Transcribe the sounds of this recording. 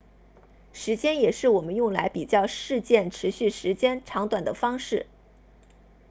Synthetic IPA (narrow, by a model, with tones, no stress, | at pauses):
ʂɻ̩˧˥t͡ɕjɛ˥njɛ˨˩ʂɻ̩˥˩wɔ˨˩mə˦njʊ˥˩ŋla̰˧˥ɪpi˨˩t͡ɕjɑ˥˧ʊʂɻ̩˥˧t͡ɕjɛ˥˩nʈ͡ʂʰɻ̩˧˥ɕy˥˩ʂɻ̩˧˥t͡ɕjɛ˥nʈ͡ʂʰɑ˧˥ŋt̪wa˨˩nd̪ə˦fɑ˥ŋʂɻ̩˥˩